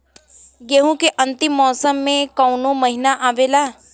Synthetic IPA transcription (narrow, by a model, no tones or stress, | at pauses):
jeɦũkeʔə̃nt̪ɪmːɔːsəmːẽkɐwnõməɦinaʔaːʋelaː